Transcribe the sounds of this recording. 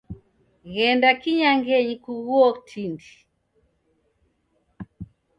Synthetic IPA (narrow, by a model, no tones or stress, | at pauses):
ɣɛndakiɲaŋɡɛɲikuɣuɔtʰindi